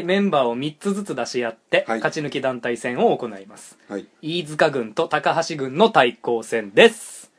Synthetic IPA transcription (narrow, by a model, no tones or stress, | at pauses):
mẽ̞mbaːo̞mʲit͡sɨzɨt͡sɨd̪aɕijat̪ːe̞kat͡ɕinɯ̟kʲid̪ãnt̪aisẽ̞ɰ̃o̞ːko̞naimasɨ̥iːd͡zɨkaɡɯ̟̃nt̪o̞t̪akaɦaɕiɡɯ̟̃nːo̞t̪aiko̞ːsẽ̞nd̪e̞sɨ̥